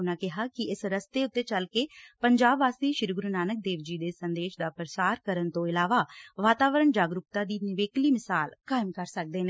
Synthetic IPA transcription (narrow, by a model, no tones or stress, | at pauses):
ʊnãːkɪɦaːkɪɪsɾəst̪eːʊt̪ːeːt͡ʃəlkeːpəɲd͡ʒaːbːaːst̪eːʃɪɾɡɾuːnaːnək̚d̪eːʋd͡ʒiːd̪eːsənd̪eːʃd̪aːpɾəsaːɾkəɾənt̪õːɪlaːʋaːʋaːt̪aːʋəɾəɳd͡ʒaːɡɾʊkt̪aːd̪iːnɪʋeːkliːmɪsaːlkaːɪmkəɾsək̚d̪eːneː